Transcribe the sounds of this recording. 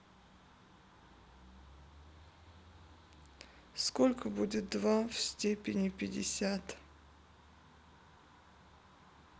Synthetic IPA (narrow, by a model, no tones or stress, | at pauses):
skolʲkəbudʲɪt̪̚d̪vafsʲtʲepʲɪnʲɪpʲɪdʲɪ̰sʲat̪